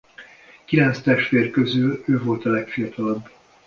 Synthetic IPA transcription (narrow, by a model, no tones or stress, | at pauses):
kilɛnst̪ɛʃt̪ʋeːrkøzyløːvo̞lt̪ɒlɛkfiɒt̪ɒlɒbː